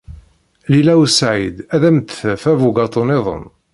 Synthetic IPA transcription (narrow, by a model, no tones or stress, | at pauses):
lilæwsʕid̪æðæmt̪fævuɡɑt̪ˤənɪðˤə̰n